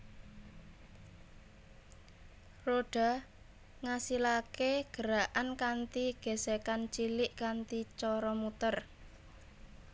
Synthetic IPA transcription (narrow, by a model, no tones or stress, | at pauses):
roɖ̥a̤ | ŋasilakeɡ̥ə̤ɾaʔankant̪iɡ̥e̤sekant͡ʃilɪʔkant̪it͡ʃɔɾɔmut̪ər